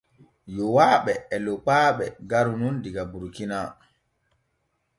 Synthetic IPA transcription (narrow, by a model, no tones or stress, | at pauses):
jɔwaːɓɛːlɔk͡paːɓɛɡaɾunundiɡabuɾkina